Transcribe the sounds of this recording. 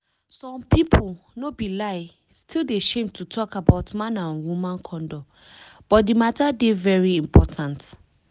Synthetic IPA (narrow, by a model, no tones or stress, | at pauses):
sɔ̃mpipʰolnobilaɪ | stʰildeaʃẽmtʰutʰɔkabaʊtmãnãnwumãnkʰɔ̃ndɔk | b̥ɔt̚dimatadevɛɹiĩmpʰɔtʰãnt